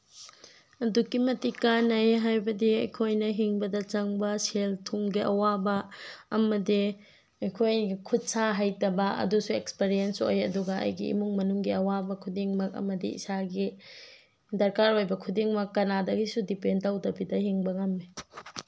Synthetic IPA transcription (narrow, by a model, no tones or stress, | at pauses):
ɐdukimɐtikanɐjɦajbɐdiɐjkʰojnɐɦiŋbɐdɐt͡ʃɐŋbɐseltʰuŋɡiʔɐ̰wabɐːmɐdi | ɐjkʰojɡikʰut̚saɦajtɐbɐɐ̰dusuekspeɾienso̰jɐ̰duɡɐɐ̰jɡḭḭmuŋmɐnuŋɡiɐwabɐkʰudiŋmɐk̚ɐ̰mɐdḭḭsaɡi | dɐɾkaɾojbɐkʰudiŋmɐkːɐnadɐɡisudipentawdɐbidɐɦiŋbɐŋamni